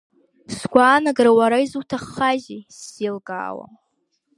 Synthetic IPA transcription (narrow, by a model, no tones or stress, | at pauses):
sɡʷaːnaɡrawaɾaizutʰaχːaʒiselɡa̰ːwa̰